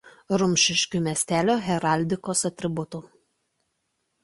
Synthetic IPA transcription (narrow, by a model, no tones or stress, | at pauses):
ɾʊmʲʃʲɪʃʲkʲumʲɛsʲt̪ʲæːlʲoːɣʲɛɾɑˑlʲd̪ʲɪkoːsɐt̪ʲɾʲɪbʊt̪u